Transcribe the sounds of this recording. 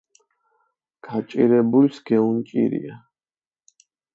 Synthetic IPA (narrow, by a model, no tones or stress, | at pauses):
ɡ̥ʰat͡ʃʼḭɾɛbulsɡ̥ɛunt͡ʃʼḭɾḭa